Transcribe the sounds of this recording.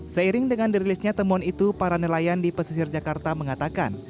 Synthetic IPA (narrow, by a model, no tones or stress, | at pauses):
səiɾɪŋdəŋandiɾilɪsɲat̪əmɔnit̪upaɾanəlajandipəsisɪrd͡ʒakart̪aməŋat̪aka̰n